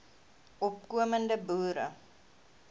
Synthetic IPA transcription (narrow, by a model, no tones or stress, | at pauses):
ʔɔp̚kuəməndəbuːɾə̰